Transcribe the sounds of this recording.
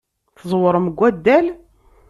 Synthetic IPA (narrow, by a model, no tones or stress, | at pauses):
θəzˤwəɾˤəməɡʷːæd̪ːæl